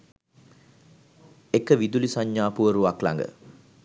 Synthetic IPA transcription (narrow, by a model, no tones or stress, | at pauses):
ekəʋid̪ulisaɲjaːpuʋəɾuʋakla̰ŋɡə̰